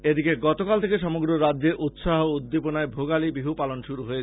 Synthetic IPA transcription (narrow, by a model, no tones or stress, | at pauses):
ed̪ikeɡɔt̪okalt̪ʰekeʃɔmoɡɾoɾadd͡ʑeɾʔut̪ʃaɦoud̪ːeponaebʱoɡalibiɦupalonʃuɾuɦoe